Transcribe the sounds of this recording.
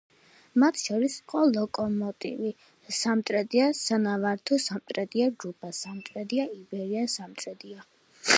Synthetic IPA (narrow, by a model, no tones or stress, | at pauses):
mat̪ʰʃɔɾisi̥qʼɔlˠɔkʼɔmɔt̪ʼḭvi | samt̪ʼɾɛd̪iasanavaɾt̪ʰɔsamt̪ʼɾɛd̪iad͡ʒɾupʰʼasamt̪ʼɾɛd̪iaibɛɾiasamt̪ʼɾɛd̪ia